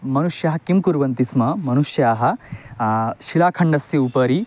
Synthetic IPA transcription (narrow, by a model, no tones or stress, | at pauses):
mɐnuʃjɐɦɐ̆kimkuɾʋɐnt̪ismɐmɐnuʃjaːɦɐ̆ | ʃilaːkʰɐɳɖɐsjɐupɐɾi